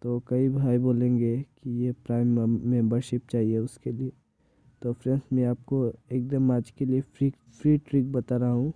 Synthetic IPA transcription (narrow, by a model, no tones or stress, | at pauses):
t̪oːkɐibʱaːiboːlẽːŋɡekijepɾaːɪmːɛ̃mbəɾʃɪp̚t͡ʃaːɦieʊskelie | t̪oːfʰɾɛ̃nsmẽaːp̚koeːk̚d̪əmaːd͡ʒkeliepɾiːk | pʰɾiːʈɾik̚bɐt̪aɾɐɦaɦũː